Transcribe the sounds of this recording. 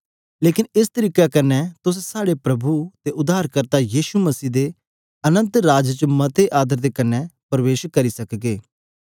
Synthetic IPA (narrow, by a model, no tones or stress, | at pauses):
leːkɪnɪst̪əɾiːkakɐnːɛt̪ʊssaːɽepɾɐbut̪eʔʊd̪aːɾkəɾt̪ajiːʃuməsiːd̪e | ɐnə̃nt̪ɾaːd͡ʒt͡ʃəmɐt̪eʔaːd̪əɾd̪ekɐnːɛpɾʋeːʃkːəɾisɐkɡeː